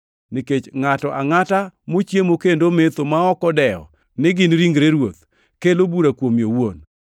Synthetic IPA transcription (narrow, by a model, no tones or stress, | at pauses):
niket͡ʃŋatɔʔaŋatamot͡ʃjemokendomet̪omaɔkɔdɛɔ̰ | nɪɡɪnɾiŋɡɾeɾwot̪ | kelobuɾakwomjowon